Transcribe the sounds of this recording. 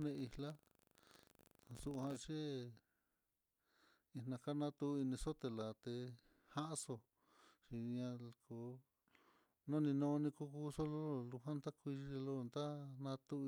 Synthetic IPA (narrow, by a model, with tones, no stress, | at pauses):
nẽ˧i˧la˦˧ | su˧ʔhã˧t͡ʃe˦ | i˧nã˧ka˦nã˦t̪u˧i˧nĩ˧so˦t̪e˧la˨t̪e˧ | ha˦ʔso˧ | t͡ʃi˧ɲã˧ku˧ | nõ˦nĩ˧nõ˧nĩ˧ku˧˦ku˦so˦lo˦˨lu˧ɦã˦nt̪a˦kʷi˧ʃi˧˦˧lo˦˧nd̪a˦nã˧t̪u˧